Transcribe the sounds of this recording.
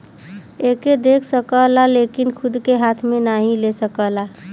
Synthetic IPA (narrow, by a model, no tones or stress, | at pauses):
eked̪ekʰsəkəlalekinkʰʊd̪keɦat̪ʰmẽnaɦĩlesəkəla